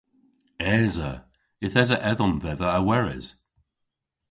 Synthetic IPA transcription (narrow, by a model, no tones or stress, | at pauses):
ɛːzə | ɪθɛzəʔɛðɔnðɛðəːwɛɹɪ̰z̥